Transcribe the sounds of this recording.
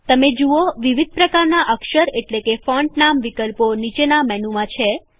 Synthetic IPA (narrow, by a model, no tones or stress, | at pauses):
t̪əmed͡ʒuoʋiʋid̪̚ʱpɾəkaɾnaʔəkʃəɾeʈlekefɔ̃ɳʈnamʋikəlponit͡ʃenamɛnumãt͡ʃʰe